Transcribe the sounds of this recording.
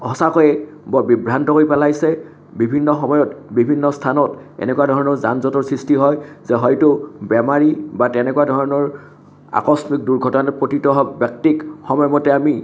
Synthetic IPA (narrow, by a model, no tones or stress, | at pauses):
hɔsakɔjɛbɔbibɹantɔkoɹipɛlajsɛ | bibʱinːɔxɔmɔjɔtbibʱinːɔstʰanɔtɛ̰nɛkuadʱɔɹɔnɔɹzanzɔtɔɹsɹistiɦɔjzɛɦɔjtʊbɛmaɹibatɛnɛkuadʱɔɹɔnɔɹ | a̰kɔsmik̚duɹɡʱɔtɔnapɹotitɔɦɔbjak̚tikxɔmɔjɔmɔtɛami